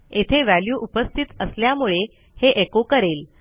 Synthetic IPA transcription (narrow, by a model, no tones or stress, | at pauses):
et̪ʰeʋæljuːʔupəst̪ʰit̪əsljamuɭe | heʔekokəɾel